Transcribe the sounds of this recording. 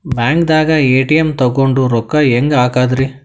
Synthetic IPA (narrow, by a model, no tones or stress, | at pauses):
bjaːŋkd̪aːɡɐeːʈijemt̪ɐɡoɳɖuɾɔkːɐeŋɡaːkaːd̪ɾi